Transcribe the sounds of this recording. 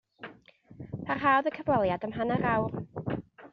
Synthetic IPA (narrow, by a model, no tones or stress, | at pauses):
pʰarɦaːwðəkʰəvɔlˠjadəmɦanaɾawr